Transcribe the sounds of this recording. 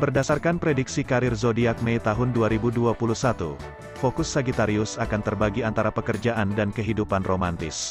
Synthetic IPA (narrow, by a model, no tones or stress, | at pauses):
bərdasarkanpɾediksikaɾɪrzodiak̚mɛjt̪aɦʊnduaɾibuduapuluhsat̪ṵ | fokʊsːaɡit̪aɾiʊsakant̪ərbaɡiant̪aɾapəkərd͡ʒaʔandankəɦidupanromant̪ɪ̰s